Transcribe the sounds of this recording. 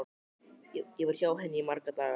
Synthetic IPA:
ɛjɛvɛɾ̥çawɦɛnːɪimaɾkat̪a

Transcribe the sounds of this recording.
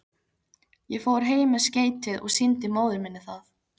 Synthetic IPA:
jɛfoːwɾ̥ɦeːjmɪsceːjt̪ɪðɔ̰ɣsɪnt̪ɪmoːwðɪɾmɪnːɪθaθ

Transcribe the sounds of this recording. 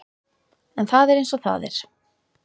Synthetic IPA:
ɛnθaðɛɾejnsɔθa̰ðɛ̰ɾ̥

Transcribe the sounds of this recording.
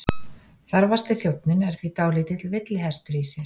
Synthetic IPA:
θaɾvast̪ɪθjowt̪nɪnɛɾ̥θvit̪aːwliːt̪ɪt̪ʰɪlvɪt̪lɪɦɛst̪ʏɾisjɛ

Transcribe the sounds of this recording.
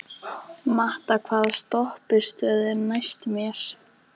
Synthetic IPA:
maht̪akʰvaːðst̪ɔhpɪst̪œːðɪnajst̪mjɛɾ̥

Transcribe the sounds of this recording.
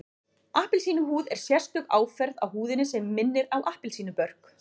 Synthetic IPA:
ahpɪlsiːnʏɦuːðɛɾ̥sjɛ̥st̪ʏɣaːwfɛɾðawhuːðɪnɪsɛmːɪnːɪɾawʔahpɪlsiːnʏpœɾ̥k

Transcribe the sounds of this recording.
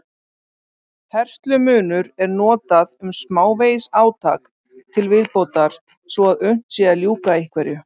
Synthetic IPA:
hɛr̥ht̪lʏmʏːnʏɾɛɾnɔːt̪aðʏmsmaːwvejsaːwt̪ʰaːk | t̪ʰɪlvɪðpowt̪aɾ̥ | svɔaðʏɥn̥t̪sjɛðaljuːkaihkʰvɛɾjʏ

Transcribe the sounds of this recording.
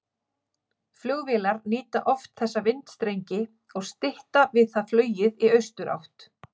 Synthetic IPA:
fljœɣvɪːlaɾniːt̪aʔɔft̪θɛsːavɪnt̪st̪ɾejɲcɪ | ɔɣst̪ɪht̪avɪðθaðflœːɥjɪðiœɥst̪ʏɾa̰wht̪

